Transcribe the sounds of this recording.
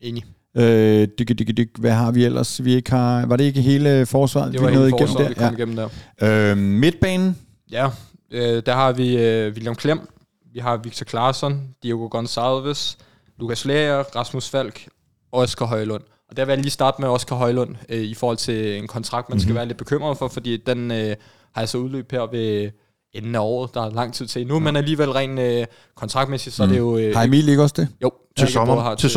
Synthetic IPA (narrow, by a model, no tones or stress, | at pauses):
e̝ːni | ød̥yɡ̥d̥eɡ̥d̥yɡ̥ʋæɦɑ̈ʋiel̰ɐsʋie̝ɡ̥hɑ̈ʋɑ̈ɾee̝ɡ̥əɦe̝ːləfɒːsʋɑ̰̈ːð̩ˠdeɑenɔːð̩iɡḛm̰d̥æɐ̰ikɒmiɡen̰m̩d̥æɐ̰øme̝d̥̚b̥ɛ̰ːnn̩ | jæ | ød̥æɐhɑ̈ʋiʋiljɑmkʰlem̰ | ʋiɦɑ̈ʋiɡ̥̚t͡sʰɒkʰlɑ̈ːsɒnd̥ioɡ̥o̝ɡ̥ɒnsælˠʋes | lukʰæslɛːɐʁɑ̈smusfæl̰ɡ̥ | ɒskʰɒɦɒ̽ɪlɔ̽n̰ | ɒ̽d̥eɐʋejɑ̈liːsd̥ɑ̈ːd̥̩meɒ̽skʰɒɦɒ̽ɪlɔ̽n̰øifɒːhɒ̽l̰t͡sʰe̝enkʰɒ̽nt͡sʰʁɑ̈ɡ̥d̥mænsɡ̥æʋæːɐle̝d̥̚b̥e̝kʰøm̰ʁɐðˠfɒ̽fɒ̽d̥ḭːd̥enø | hɑ̈jɑ̈sɒ̽uðˠløːb̥heɐ̰ʋe̝ | enn̩æɒ̰ːð̩ˠd̥ɑ̈ɑlɑ̈ŋ̰t͡sʰið̞̰ˠt͡sʰe̝̰numenæliːʋel̰ʁɛ̰ɪ̰nø | kʰɒnt͡sʰʁɑ̈ɡ̥d̥mesid̥sɒæde̝jo̝ɑmileɡ̥ɐɒsd̥ejoʊ̰ | e̥ɑ̈e